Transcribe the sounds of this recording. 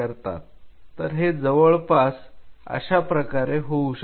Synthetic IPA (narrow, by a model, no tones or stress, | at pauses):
əɾt̪a̰t̪ːəɾɦed͡zəʋəɭpasə̰ɕapɾəkaɾeɦouɕə